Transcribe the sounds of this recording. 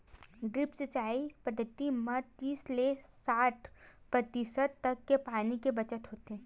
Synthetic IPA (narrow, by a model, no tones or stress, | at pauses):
ɖɾɪpsət͡ʃaːipɐd̪ʱːət̪imɐd̪t̪iːslesaːʈʰpɾɐt̪isət̪ːɐkːepaːnikebɐt͡ʃət̪ɦoːt̪eɦɛ̃ː